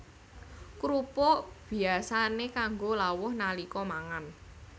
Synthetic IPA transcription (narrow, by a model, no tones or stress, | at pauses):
kɾupob̥i̤asanekaŋɡolawʊhnalikɔmaŋan